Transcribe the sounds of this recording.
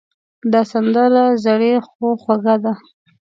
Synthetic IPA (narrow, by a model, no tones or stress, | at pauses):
d̪ɑsand̪əɾazaɽexoxwaɣad̪a